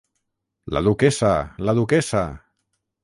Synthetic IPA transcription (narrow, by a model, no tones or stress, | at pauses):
la̰ðukɛsalaðukɛsa